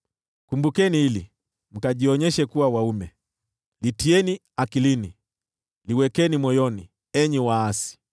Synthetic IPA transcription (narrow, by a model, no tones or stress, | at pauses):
kumbukɛniilḭ | m̩kaʄiɔɲɛʃɛkuwawaumɛ | litiɛni | akilini | liwɛkɛnimwɔjɔni | ɛɲiwaasi̥